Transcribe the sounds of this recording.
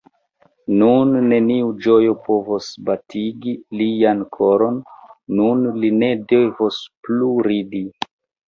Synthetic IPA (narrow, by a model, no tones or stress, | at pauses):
nunːe̞niud͡ʒo̞jopo̞vosbatiɡiliankʰo̞ɾo̞nːunline̞de̞vospluɾidi